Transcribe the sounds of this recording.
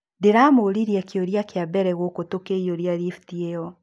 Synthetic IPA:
deɾaːmoɾiɾiakeoɾjakeabɛɾɛɣokotokeioɾjaɾiftieɔ

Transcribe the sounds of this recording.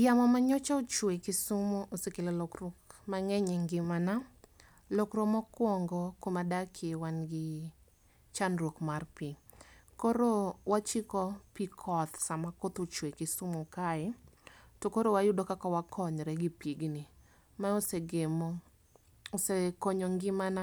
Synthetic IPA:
jamɔmaɲɔt͡ʃaot͡ʃwekɪsumoʔosekelelokɾokmaŋɛɲɛŋɡɪmana | lokɾomɔkwɔŋɡɔkomadakʰɪwanɡɪ | t͡ʃanɾwokmarpikoɾowat͡ʃikɔpikʰɔt̪samakot̪ot͡ʃwekɪsumokaɛtokoɾowajʊdokakawakʰɔɲɾɛɡɪpiɡni | maoseɡem | sekoɲɔŋɡɪmana

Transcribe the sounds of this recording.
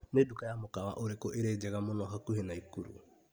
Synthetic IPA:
nedukajamokawa̰ʔoɾekɔʔeɾed͡ʒɛɣamonɔɦakuhenaikuɾṵ

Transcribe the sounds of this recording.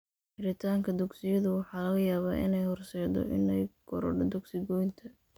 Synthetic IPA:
ħɪɾɪt̪ʰaːŋkʰɐd̪ʊɡsɪjɐðʊwɑħɑːlɐɣɐjaːβaːʔɪ̰nɛjhɔrsɛːd̪ɔ̰ʔɪ̰nɛjɡɔɾɔ̰ɖd̪ʊɡsɪɡɔjnt̪ʰɐ

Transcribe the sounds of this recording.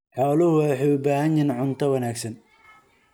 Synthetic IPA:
ħaːlʊhʊwaːħejʊbaːɦɐnɪnʕʊnt̪ʰɐwɐnaːɡsɐn

